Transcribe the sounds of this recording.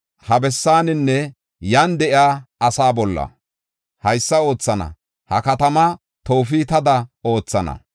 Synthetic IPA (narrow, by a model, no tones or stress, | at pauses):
hɐbɛsːaːnɪnːɛ | jɐnd̪ɛʔɪaːɐsaːbɔlːɐ̰ | hɐjsːɐo̞ːt͡sːɐnɐ̰ | hɐ̰kɐt̪ɐmɐ | t̪o̞ːfit̪ɐd̪ɐo̞ːt͡sːɐnɐ̰